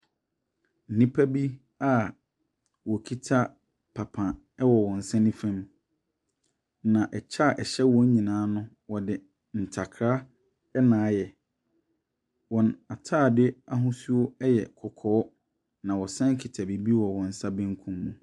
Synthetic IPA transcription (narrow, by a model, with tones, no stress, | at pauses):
n̩˨nĩ˦pʰa˦bi˦ | a˦˨ | wɔ˨kʰi˦tʰa˦ | pʰa˨pʰã˨ | ɛ˦wɔ˨wɔ̃˨n̩˨sã˦nĩ˦fɛ̃˦m | nã˨ʔɛ˨t͡ɕʰa˦˨ʔɛ˨ɕɛ˦wɔ̃˦ɲ˦ɲĩ˨nãː˨˦nʊ̃˦ | wɔ˨dɪ˨ | n̩˨tʰa˨kʰɾa˦ | ɛ˦nãː˨˦jɛ˨ | wɔ̃˨na˨tʰaː˦˨dɪ˦a˦ɦʊ̃˦su˦o˦ɛ˦jɛ̰˨kʰɔ˨kʰɔ˦ | nã˨wɔ˨sɛ̃˦ŋ˦kʰi˨tʰa˨bi˨bi˦wɔ˨wɔ̃˨n̩˨sa˦bɪ̃˦ŋ˦kʰũ˦mːũ˨